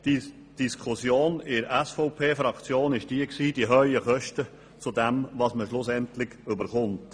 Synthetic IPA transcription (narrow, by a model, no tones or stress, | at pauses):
d̥i | d̥iskʰʊsjoːnɪɾæsfɔʊpʰeːfɾɑkt͡sjoːnɪʃd̥iəksiːdiəɦœʏəχœʃtə | t͡sudɛmvɑsməʃlʊsɛntlɪɡ̥ʏbəɾχʊnt